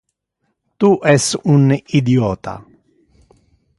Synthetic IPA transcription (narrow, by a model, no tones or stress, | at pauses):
t̪uʔɛsunid̪jɔːt̪a̰